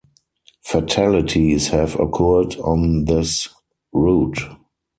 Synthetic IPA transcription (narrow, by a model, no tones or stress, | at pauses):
fatʰælɪtʰishɛvə̰kʰɔːdɔ̃nðɪs | ɹuːt